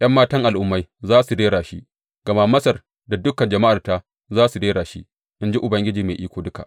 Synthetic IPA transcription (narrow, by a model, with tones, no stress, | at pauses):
j̰ɐ˦mːaː˦tɐ˦ŋʔa˨lʔʊ˦mːa˦jzaː˦su˨deː˦ɽaː˨ʃi˦ | ɡ̥ɐ˨ma˦mɐ˦sɐ˨r | da˨dʊ˦kɐ˨nd͡ʒɐ˨ma˦ʔa˨rta˦ | zaː˦su˨deː˦ɽaː˨ʃḭ˦ | ʔɪ˦nd͡ʒi˦ʔʊ˨bɐ˦ŋɡʲɪ˦d͡ʒiː˨meː˨ʔiː˦kʷoː˨dʊ˦ka˨ʔ